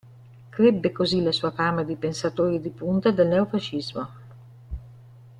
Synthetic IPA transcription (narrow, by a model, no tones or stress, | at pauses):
kɾebːekozilasuːafaːmad̪ipensat̪oːɾid̪ipunt̪ad̪elnɛofaʃːizmo